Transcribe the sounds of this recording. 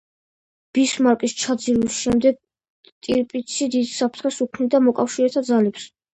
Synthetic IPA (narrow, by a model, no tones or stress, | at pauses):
b̥ismaɾkʼist͡ʃʰad̪ziɾisʃɛmd̪ɛɡ̚ | t̪ʼiɾpʼit̪sʰid̪id̪sapʰɾt̪ʰχɛsukʰnid̪amɔkʼafʃiɾɛt̪ʰad̪zalɛps